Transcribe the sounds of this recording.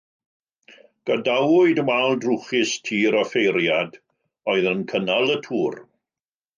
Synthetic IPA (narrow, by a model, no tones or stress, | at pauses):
ɡ̥adawʊɨdəmalˠdruχɪstʰiːɾɔfejɾjad | ɔɨðənkʰənalˠətʰuːr